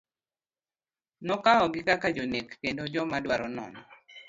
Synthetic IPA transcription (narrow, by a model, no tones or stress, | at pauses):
nɔkaɔɡɪkakad͡ʒonekːendod͡ʒɔmadwaɾɔnɔ̰nɔ